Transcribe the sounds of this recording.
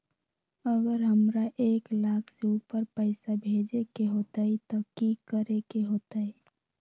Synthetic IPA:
əɡəɾɦəmɾaʔeːklaːkʰseupəɾpəɪsabʱed͡ʒekeɦot̪aɦit̪ɔkikəɾekeɦoːt̪ai

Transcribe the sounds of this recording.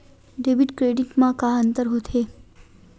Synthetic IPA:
ɖebiʈkɾeɖiʈmãkãənt̪əɾɦot̪ʰe

